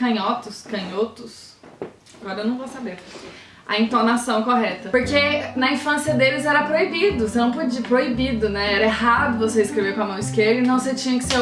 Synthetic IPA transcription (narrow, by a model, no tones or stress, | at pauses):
kɐ̃ɲɔt̪ʊskɐ̃ɲot̪ʊs | aɡɔɾɐewnɐ̃w̃vosabeɾ | ɐ̰ĩnt̪onasɐ̃w̃koɦɛt̪ɐpoɾkenɐĩfɐ̃siɐd̪elɪzɛɾɐpɾoibid̪ʊsenɐ̃w̃pod͡ʒipɾoibid̪ʊnɛɛɾɐeɦad̪ʊvoseɪskɾeveɾpɐmɐ̃w̃ɪskeɾɐĩnɐ̃w̃set͡ʃĩɲɐkɪ̥se